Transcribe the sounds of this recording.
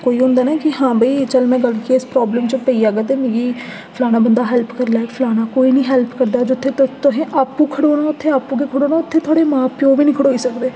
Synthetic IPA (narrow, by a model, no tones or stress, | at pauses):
koːiːɦʊ̃nd̪aːnaːkɪɦãːbʱəiːt͡ʃəlmɛ̃ːɡəlkiɪspɾɔːbləmt͡ʃopəiːaːɡaːt̪̬eːmẽːɡiː | pʰlaːnaːbənd̪aːɦɛːlpkəɾlaːepʰlaːnaːkoːiːnĩːɦɛːlpkəɾd̪aːd͡ʒʊt̪ʰːeːt̪t̪ʊɦẽːʔaːpːũːkʰəɽoːnaːʊt̪ʰːeːaːpũːk̬eːkʰəɽoːnaːʊt̪ʰːeːt̪ʰaːɽeːmãːpɪjoːʋiːnĩːkʰəɽoːiːsəkd̪eː